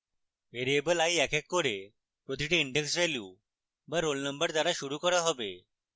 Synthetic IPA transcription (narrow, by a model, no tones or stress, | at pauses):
ʋeɾiebəlajɛkɛkːoɾe | pɾot̪ʰiʈeiɳɖeksʋɛlju | bəɾːolnəmbəɾd̪ʱaɾaʃuɾukɔɾaɦɔbe